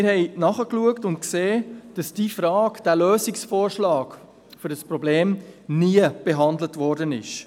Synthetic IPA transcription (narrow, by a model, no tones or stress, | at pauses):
ɪɾhɛɪnɑχəkluəktʊntkseːd̥ɑsd̥ifɾɑːkd̥æːløːsiksfɔːɾʃlɑːk | fʏɾəspɾɔbleːmniəb̥ɛɦɑndlətʋɔrdənɪʃ